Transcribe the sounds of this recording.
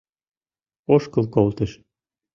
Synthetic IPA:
oʃkɤ̆lˠkolˠt̪ɘ̆ʃ

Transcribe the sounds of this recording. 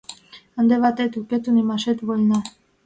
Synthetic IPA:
and̪eβat̪et̪uket̪unimaʃet̪βolʲna

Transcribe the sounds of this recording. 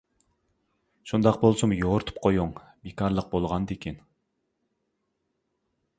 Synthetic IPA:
ʃund̪ɑqbolˠsumjoɾt̪ʰu̥p̚qʰojuŋ | bikʰɑɾlˠəq̚bolˠʁɑnd̪ekʲʰen

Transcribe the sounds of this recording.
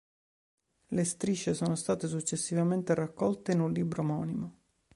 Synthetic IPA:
lest̪ɾiʃːesoːnost̪aːt̪es̬ut͡ʃːesːivament̪erakːɔlt̪enunlːiːbɾomɔːnimo

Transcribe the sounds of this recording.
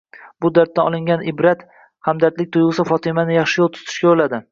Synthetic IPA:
b̥ʊd̪aɾt̪̚t̪ːaɒ̰lˠɪŋɡʲanɪbɾat̪ | hamd̪aɾt̪lɪk̚ʲt̪ʰojʁɨsɪfɒt̪ʰɪmanɪjɑχʃɪjolˠt̪ʰʊ̥t̪ʰɪ̥ʃkʲabolad̪ɪ

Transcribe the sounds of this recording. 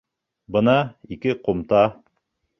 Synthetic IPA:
bɤnɑikɘqomt̪ɑ

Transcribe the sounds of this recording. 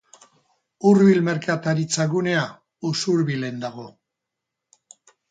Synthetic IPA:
uɾβilme̞ɾkat̪aɾit͡saɣune̞a | usuɾβile̞nd̪aɣo̞

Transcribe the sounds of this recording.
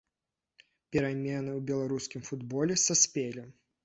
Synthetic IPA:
pʲɛɾamʲɛnɨwbʲɛlˠaɾuskʲimfud̪bɔlʲɛsɐsʲpʲelʲi

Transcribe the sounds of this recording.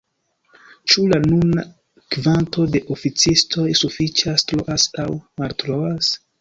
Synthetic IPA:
t͡ʃulanuna | kvantʰo̞de̞ʔo̞fit͡sistʰo̞jsufit͡ʃastɾoʔasawmaltɾo̞as

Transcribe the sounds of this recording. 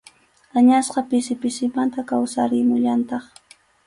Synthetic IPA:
aɲasqɑpɪsɪpɪsɪmant̪akawsaɾɪmʊʎant̪ɑχ

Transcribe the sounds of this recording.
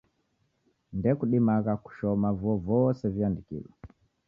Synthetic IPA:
ndɛkuɗimaɣaku̥ʃɔmavɔvɔsɛviandikḭlɔ

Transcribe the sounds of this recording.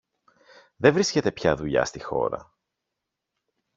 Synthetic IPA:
ðevɾisce̞t̪e̞pçɐðuʎɐ̰st̪ixo̞̰ɾɐ̰

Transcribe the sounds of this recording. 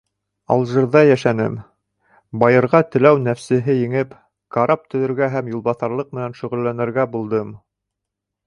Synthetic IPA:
ɑ̰lˠʒɤ̆ɾðɑjæʃænɘ̰m | bɑjɤ̆ɾʁɑt̪ɘ̆læwnæfsɘ̆ɦɘjɘ̆ŋɘp | kɑɾɑp̚t̪ɵ̆ðɵ̆ɾɡæɦæmjulˠbɑθɑɾlˠɤq̚mɘ̆nænʃɵ̆ʁɵ̆lːænɘ̆ɾɡæbulˠd̪ɤm

